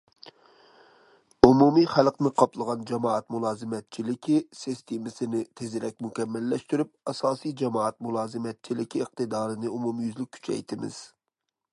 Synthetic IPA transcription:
umumijχælˠqnɨqʰɑplˠəʁɑnd͡ʒɑmɑːɑt̪mulˠɑːzɨmɛt̪̚t͡ʃʰilɪkʲʰisist̪ʰemɪsɪnɪt̪ʰezɪɾɛk̚ʲmukʲɛmːɛlːɛʃt̪yɾyp̚ɑsɑːsijd͡ʒɑmɑɑt̪̚mulˠɑːzɨmɛt̪̚t͡ʃʰilɪkʲʰiːq̚t̪ɨd̪ɑːɾɨnɨumumjyzlɪk̚ʲkʰy̥t͡ʃʰɛ̰jt̪ʰɪmɪ̰z̥

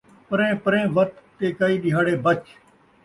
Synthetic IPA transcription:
pəɾẽːpəɾẽːʋət̪t̪ːeːkaːiːɗɪɦaːɽeːbət͡ʃ

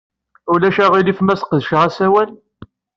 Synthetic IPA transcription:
ʊlæʃæʁilifmæsqðʃʁæsæwæl

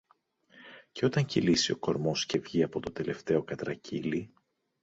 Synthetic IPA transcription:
ce̞o̞t̪ɐɲcilisioko̞ɾmo̞sce̞vʝiɐpo̞t̪o̞d̪e̞le̞ft̪e̞o̞kɐt̪ɾɐcʰili

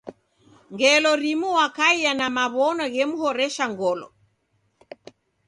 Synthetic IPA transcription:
ŋɡɛlɔɾimuwakaianamaβɔnɔɣɛmuhɔɾɛʃaŋɡɔlɔ̰

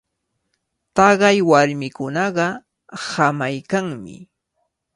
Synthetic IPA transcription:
t̪ɑɢɑjwaɾmɪkʊnɑɢɑ | hamajkaŋmɪ̰

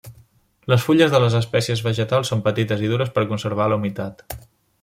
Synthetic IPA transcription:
ləsfuʎəzðələzəspɛsiəzβəʒət̪alˠsːompət̪it̪əziðuɾəspəɾkunsəɾβ̞aləumit̪at̪

